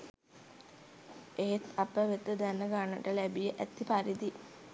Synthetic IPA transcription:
eɦet̪apəʋet̪ːəd̪ænːəɡanːəʈəlæbijəʔæt̪ːipaɾid̪i

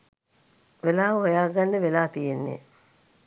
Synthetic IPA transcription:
ʋelaːɦojaːɡanːeʋelaːt̪ijenːḛ

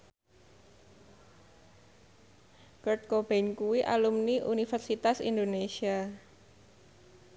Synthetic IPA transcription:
kərt̪̚kob̥enkuwiʔa̰lumniʔunifɛrsit̪asḭnd̪onesia

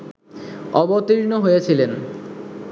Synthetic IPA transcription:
ɔbot̪iɾnoɦojet͡ɕʰilen

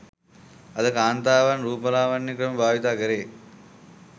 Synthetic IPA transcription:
ɐd̪ɐkaːnt̪aːʋanɾuːpɐlaːʋɐnːikɾɐmɐbʱaːʋit̪aːɡɐɾeː

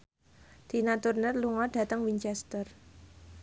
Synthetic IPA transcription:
d̪̥i̤nat̪urnərluŋɔɖ̥a̤t̪əŋwiɲt͡ʃɛst̪ər

